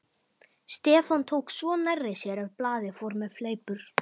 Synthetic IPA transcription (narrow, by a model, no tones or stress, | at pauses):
st̪ɛːfɔnt̪ʰoːwksvɔnɛrːɪsjɛɾœvplaːðɪfɔɾmɛðfleːjpʏɾ̥